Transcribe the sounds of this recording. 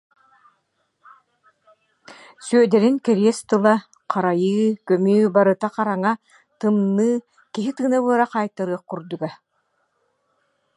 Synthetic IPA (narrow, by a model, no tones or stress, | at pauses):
syœd̪ɛɾinkɛɾiɛst̪ɯlˠa | qʰaɾajɯːkœmyːbaɾɯt̪aqaɾaŋa | t̪ɯmnːɯː | kiɦit̪ɯːnaβɯɐɾaqaːjt̪ɯɾɯːχkuɾd̪uɡa